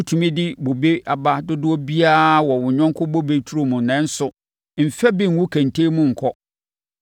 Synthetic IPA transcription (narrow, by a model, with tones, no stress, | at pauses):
ʊ˦tʰu˨mĩ˦dɪ˦bo˨be˦a˨ba˦dʊ˦dʊ˦ɔ˦bi˦a˦˨wɔ˨wʊ̃˨ɲᶣɔ̃˦ŋ˦kʰʊ˦bo˦be˦tʰu˦ɾo˨mũ˨nɛ̃˦n̩˦sʊ˨ | m̩˨fɛ˦bɪ̃˦ŋ̩˨wʊ̃˦kʰæ̃˨ntʰe˦mʊ̃˦ŋ̩˨kʰɔ˦